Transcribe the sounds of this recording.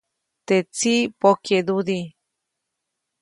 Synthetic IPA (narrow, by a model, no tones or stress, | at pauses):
t̪et͡sipoked̪ud̪i